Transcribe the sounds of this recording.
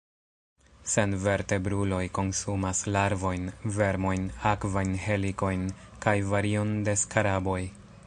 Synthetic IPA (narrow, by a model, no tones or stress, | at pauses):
se̞nve̞ɾte̞bɾulo̞jko̞nsumaslaɾvo̞jnve̞ɾmo̞jnakvajnhe̞liko̞jn | kajvaɾio̞nde̞skaɾabo̞j